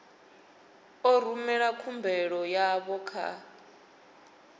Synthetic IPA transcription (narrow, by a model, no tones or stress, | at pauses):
ɔr̤umɛɺakʰumbʱɛɺɔjaβɔkʰa̰